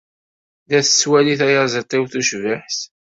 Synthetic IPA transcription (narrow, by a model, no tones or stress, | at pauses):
ðæθə̥sːwæliθæjɑzˤət̪ˤːiwθuʃvəħθ